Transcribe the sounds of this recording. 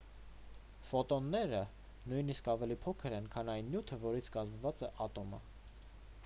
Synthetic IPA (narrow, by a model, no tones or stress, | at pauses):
fɔt̪ɔnːɛɾə | nujniskɑvɛlipʰɔkʰəɾɛnkʰɑnɑjnːjut̪ʰəvɔɾit͡sʰkɑzmvɑt͡sɛʔɑt̪ɔmə̰